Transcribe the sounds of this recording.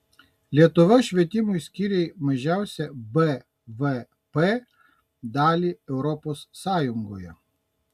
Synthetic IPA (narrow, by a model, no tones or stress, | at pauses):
lʲiɛt̪ʊʋɐʃʲʋʲiɛt̪ʲɪmʊɪsʲkʲiɾʲɛɪmɐʒʲæˑʊsʲɛbɛ | ʋɛ | pe | d̪ɑːlʲiːɛʊɾɔpoːsːɑːjʊŋɡoːjɛ